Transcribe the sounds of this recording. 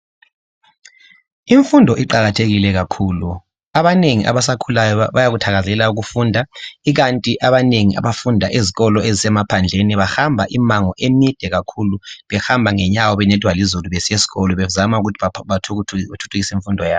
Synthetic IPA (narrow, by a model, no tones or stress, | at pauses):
iɱfundʱɔʔiǃaɣatʰeɣilɛɣakʰuːlu | aβaneŋiʔa̰βasakʰulajɔβajaɣutʰaɣazɛlauɣufuːndʱaiɣantʼiʔaβaneŋiʔa̰βafundʱaʔeziɣɔlɔezisɛmapʰand͡ɮʱeniβahambʱaʔimaŋɔʔemid̥ʱɛɣakʰuluβɛxambʱaŋɛɲawɔβɛnɛtʼwalizuluβesiesi̥ɣɔlɔβɛzamauɣutʰ | tʰu̥tʰuɣisiɱfundʱɔjaːβɔ